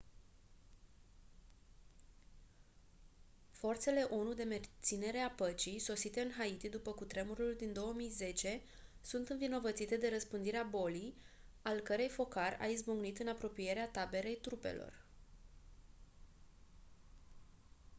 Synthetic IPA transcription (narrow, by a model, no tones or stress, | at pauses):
fo̞rt̪se̞le̞ʔonud̪e̞me̞rt̪sine̞ɾe̞apət͡ʃijso̞sit̪e̞ɨnɦait̪id̪upəkut̪ɾe̞muɾuld̪ind̪o̞wəmijze̞t͡ʃe̞ | sunt̪ɨnvino̞vət̪sit̪e̞d̪e̞ɾəspɨnd̪iɾeabo̞lij | alkəɾe̞jfo̞karʲa̰izbuŋɡnit̪ɨnapɾo̞pije̞ɾeat̪abe̞ɾe̞jt̪ɾupe̞̰lo̞̰r